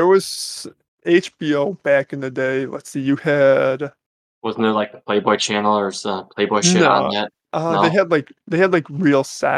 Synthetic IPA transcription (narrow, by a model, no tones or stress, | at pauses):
ðə˞wʌz̥ | eɪt͡ʃb̥ioʊb̥ækɨ̃nðɨdeɪlə̰tsijɨɨd̥ | wʌzn̩ðə˞laɪk̚əpʰl̥eɪbɔɪt͡ʃʰænl̩ˠə˞zʌpʰl̥eɪbɔɪʃnɪoɾ̰̩jɛt̚ | ʔʌðeɪɨdˡlaɪkðeɪɨdˡlaɪkɹilˠsæ̰